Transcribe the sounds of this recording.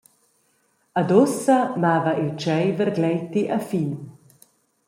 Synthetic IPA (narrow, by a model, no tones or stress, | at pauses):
ad̪osamaːvaʔet͡ʃɛjvəɾɡlɛjt̪iʔafiːn